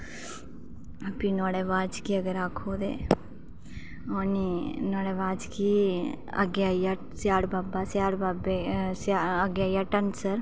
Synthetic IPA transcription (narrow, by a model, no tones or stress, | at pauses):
ɐpinɔːɽeːʋaːd͡ʒkiɐɡəɾaːkʰoːd̪ḛː | oːninɔːɽeːʋaːd͡ʒki | ɐ̰ɡjaːja | sjaːɽbaːbasjaːɽbaːbesaəɡjaːjaʈəɳsəɾ